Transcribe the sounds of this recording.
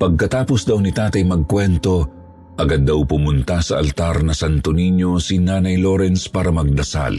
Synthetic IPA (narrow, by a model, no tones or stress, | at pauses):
pɐɡ̚kɐt̪aːposd̪ɐwnɪt̪aːt̪ɐjmɐɡ̚kwɛnt̪o̞ | ʔɐɡad̪ːɐwpʊmʊnt̪asɐʔɐ̰lt̪aɾnɐsɐnt̪oniɲosinaːnɐjloɾɛnspaːɾɐmɐɡ̚d̪ɐsa̰l